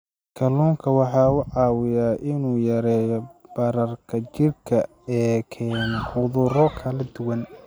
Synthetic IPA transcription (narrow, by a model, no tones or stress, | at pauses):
kʰɐluːŋkʰɐwɑħɑːʊʕɑːwɪjaːʔɪnuːjɐɾɛːjɔb̥ɐɾɐrkʰɐt͡ʃɪrkʰɐ | ɛːkʰɛːnʊðʊrɔkʰɐlɐd̪ʊwɐn